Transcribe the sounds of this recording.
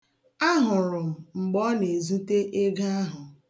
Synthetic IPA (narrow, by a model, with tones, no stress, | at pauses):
a˦ɦʊ˨ɾʊ˨m̩˨ŋ͡m̩˨ɡ͡bɔ˦ne˨zu˦te˦ʔe˦ɡa˦a˦ɦʊ˨